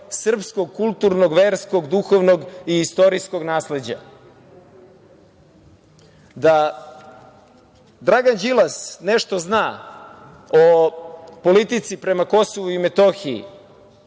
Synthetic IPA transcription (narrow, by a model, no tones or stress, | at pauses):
sr̩psko̞ɡ̚kulˠt̪uɾnoɡʋeːɾsko̞ɡd̪uxoʋnoɡiːst̪o̞ɾisko̞ɡnaːsle̞d͡ʑa̰ | d̪a | d̪ɾaɡand͡ʑilˠasneʃt̪o̞znaː | opo̞lit̪it̪sipɾe̞mako̞soʋuimet̪oxiḭ